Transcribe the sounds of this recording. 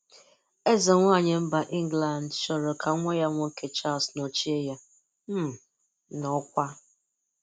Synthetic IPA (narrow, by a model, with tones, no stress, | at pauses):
e˦ze˨ŋʷa˦˨ɲe˨m̩˦ba˨ʔi˦ŋ˦ɡla˨n˨dʃɔ˨ɾo˨kʰa˨˦ŋʷɔ˦ja˦ŋʷʊ˦ŋ̩˦kʰe˦t͡ʃa˦˨lsno˨t͡ʃi˦e˦ja˦ | m̩˦˨ | nɔ˨˦kʷa˦